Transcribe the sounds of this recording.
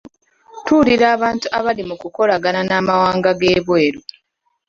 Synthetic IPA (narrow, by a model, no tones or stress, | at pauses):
tuliɾaːβaːntuʔaβalimukuko̞laɡananaːmawaːŋɡaɡeːβwe̞ːɾu